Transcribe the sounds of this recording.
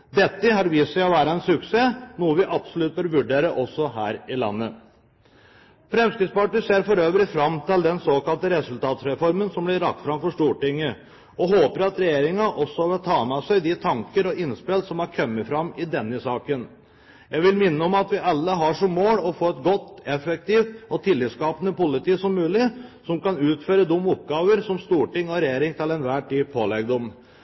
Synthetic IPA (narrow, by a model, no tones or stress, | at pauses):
d̪ɛt̪ːəɦɑɾʋɪsæɪɔʋæːɾɑɛnsʉkseːnuːəʋɪʔɑbsɔlʉt̪̚bəɾʋʉɖeːɾəʔɔsːɔɦæ̰ːɾɪlɑ̰nːə | fɾɛmskɾɪt̪spɑʈɪseːɾfɔɾøːʋəlɪfɾɑmt̪ʰɪld̪ɛnsoːkɑlt̪əɾɛsʉlt̪ʰɑːt̪sɾɛfɔɾmənsɔmblɪɾɑk̚t̪fɾɑmfɔʂʈuːʈɪŋːə | ɔɦoːpəɾɑt̪ɾɛjeːɾɪŋɑʔɔsːɔʋət̪ʰɑːmɛsæɪd̪ɪt̪ʰɑŋkəɾɔɪnspeːlsɔmɑɾkʰœmːəfɾɑmɪd̪ɛnːəsɑːkən | jæɪʋɪlmɪnːəɔmɑt̪ʋɪʔɑlːəɦɑʂɔmːoːlɔfoːɛt̪ɡɔt̪ːɛfɛk̚t̪iːft̪ɔt̪ʰɪlːiːt̪skɑːpənəpʊlɪt̪iːsɔmːʉːlɪsɔmkɑnʉːt̪føːɾəd̪ʊmːʊp̚ɡɑːʋəɾsɔmst̪uːʈɪŋːɔɾɛjeːɾɪŋt̪ʰɪlɛnʋæːʈyːpʰoːlɛɡ̚d̪ɔm